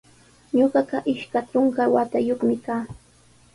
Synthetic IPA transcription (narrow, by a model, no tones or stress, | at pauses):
ɲoɢɑɢɑʔɪʃkaʈ͡ʂoŋkawat̪ajoχmɪkaː